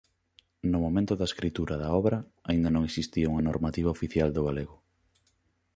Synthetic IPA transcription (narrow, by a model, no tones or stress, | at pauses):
nʊmomẽnt̪ʊðɐeskɾit̪uɾɐðɐɔβɾɐ | aind̪ɐnõŋesist̪iauŋɐnoɾmat̪iβaofiθjald̪ʊɣaleɣʊ